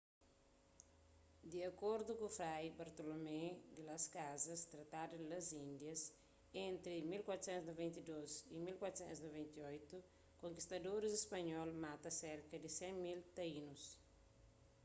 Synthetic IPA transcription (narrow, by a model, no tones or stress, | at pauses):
d̪iɐkoɾd̪ukufɾajbɐɾt̪olomɛd̪ilɐskazɐst̪ɾɐt̪ad̪ɐd̪ilɐzĩnd̪jɐs | ẽnt̪ɾimilkwat̪ɾusɛ̃nt̪snovɛ̃nt̪id̪ozimilkwat̪ɾsɛ̰̃nsnovɛ̃nt̪iojt̪u | kõŋkist̪ɐd̪oɾizespɐɲɔlmat̪ɐseɾkɐd̪isɛ̃ŋmilt̪ɐinus